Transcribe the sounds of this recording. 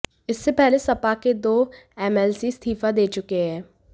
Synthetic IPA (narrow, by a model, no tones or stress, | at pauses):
ɪsːepɛɦlesɐpaked̪oː | ɛːmɛːlsist̪ʰiːfad̪eːt͡ʃʊkeɦɛ̃ː